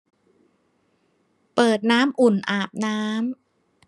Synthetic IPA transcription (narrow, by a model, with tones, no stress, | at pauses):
pɤː˨˩t̪̚naː˦˥mʔu˨˩nʔaː˨˩p̚naː˦˥m